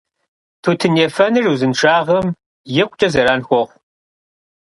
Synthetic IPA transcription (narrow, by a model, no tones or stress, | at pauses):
tʰuːtʰɨneːfɐnɨruzɨnʂʰʼaːʁɐm | jɛkʷʼt͡ʃʼɐzɐɾaːnxʷɔʁʷ